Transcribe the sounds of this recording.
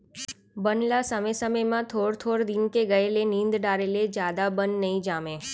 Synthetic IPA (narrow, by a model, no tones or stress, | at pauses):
bənlasəmesəməjmãt̪ʰoɽt̪ʰoɽd̪inkeɡəelenĩnd̪ɖaɾeled͡ʒjad̪abənːəĩd͡ʒame